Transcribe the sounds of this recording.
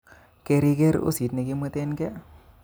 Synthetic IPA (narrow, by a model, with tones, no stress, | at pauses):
ke˧ɾi˧kɛ˦ɾo̰˦si˨t̪̚ne˨ki˦mwe˦t̪e˦nkɛ˦